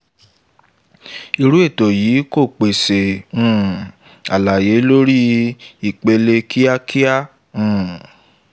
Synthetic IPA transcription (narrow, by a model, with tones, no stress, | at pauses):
i˧ɾu˦e˦˨to˨jiː˨˦ko˦˨k͡pe˨se˨ũ˦˨ | a˨la˨je˨˦lo˦ɾi˦i˦˨k͡pe˧le˧kʰi˦a˦kʰi˦a˦˨ | ũ˨